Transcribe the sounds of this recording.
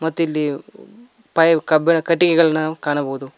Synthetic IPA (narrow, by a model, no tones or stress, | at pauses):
mɐt̪ːuilːi | pɐjɐkɐbɛɳɐkɐʈːikɛɡɐɭɐnːɐkaːɳɐbɐːud̪u